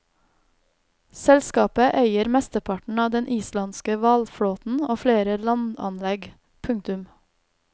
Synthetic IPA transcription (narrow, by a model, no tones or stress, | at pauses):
sɛlskɑːpəʔeɪəɾmɛst̪əpʰɑʈɳ̩ɑːd̪ɛnʔiːslɑnskəʋɑlfɽoːt̪n̩oːfleːɾəlɑnɑ̰nlɛɡ | pʰʉŋ̚t̪ʉm